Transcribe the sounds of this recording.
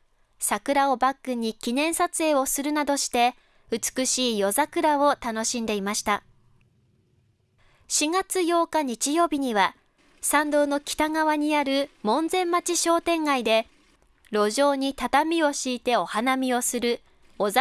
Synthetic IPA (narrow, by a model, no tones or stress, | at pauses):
sakɯ̟ɾao̞bakːɯ̟ɲ̟ikʲinẽ̞ɰ̃sat͡sɨe̞ːo̞sɨɾɯ̟nad̪o̞ɕi̥t̪e̞ | ɯ̟t͡sɨ̥kɯ̟ɕiːjo̞zakɯ̟ɾao̞t̪ano̞ɕĩnd̪e̞imaɕi̥t̪a | ɕiɡat͡sɨjo̞ːkaɲ̟it͡ɕijo̞ːbʲiɲ̟iβa | sãnd̪o̞ːno̞kʲi̥t̪aŋaβaɲ̟iaɾɯ̟mõ̞nd͡zẽ̞mːat͡ɕiɕo̞ːt̪ẽ̞ŋɡaid̪e̞ | ɾo̞ʑo̞ːɲ̟it̪at̪amʲio̞ɕiːt̪e̞o̞hanamʲio̞sɨɾɯ̟ | oz